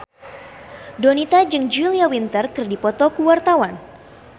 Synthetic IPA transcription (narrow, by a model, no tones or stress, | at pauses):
donit̪ad͡ʒɨŋd͡ʒuiliawint̪ərkɨrdipɔt̪ɔkuwart̪awan